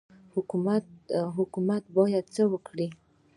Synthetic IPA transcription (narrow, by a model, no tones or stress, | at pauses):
hʊkumat̪ɦʊkumat̪bɑjad̪̚t͡səwəkɽi